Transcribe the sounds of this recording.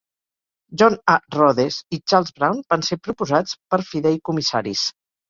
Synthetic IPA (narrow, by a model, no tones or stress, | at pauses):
ʒɔnarɔðezit͡ʃaɾlˠzβɾawnbansepɾupuzat͡spəɾfiðɛjkumisa̰ɾḭs